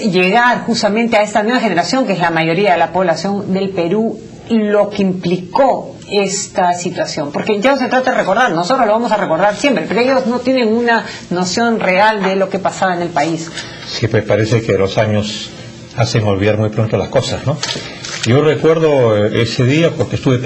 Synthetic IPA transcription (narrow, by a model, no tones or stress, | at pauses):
ʝe̞ɣaɾxust̪amẽnt̪eae̞st̪anwe̞βaxene̞ɾasjo̞ŋkeezlamajoɾiaðelapo̞β̞lasjo̞nd̪e̞lpe̞ɾu | ilo̞keimpliko̞ | e̞st̪asit̪wasjo̞mpo̞ɾkeʝanoset̪ɾat̪aðereko̞ɾðaɾno̞sot̪ɾozloamo̞sare̞ko̞ɾðaɾsje̞mpɾepeɾoejo̞zno̞t̪jene̞ŋuna | no̞sjo̞nre̞ald̪elo̞ke̞pasaβaene̞lpais | sipwespaɾesekelo̞saɲo̞s | aseŋo̞lβiðaɾmujpɾo̞nt̪olasko̞sazno | ɟ͡ʝo̞rekwe̞ɾðoeseðiapoɾkest̪uβe